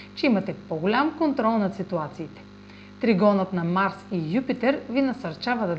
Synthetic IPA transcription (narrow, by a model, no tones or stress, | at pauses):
t͡ʃɛimɐt̪ɛpoɡolʲamkont̪ɾɔlˠnɐsit̪uat̪siːt̪ɛ̥ | t̪ɾiɡɔnət̪nɐmaɾsijupit̪ɛɾvinɐsɐɾt͡ʃavɐd̪ɐ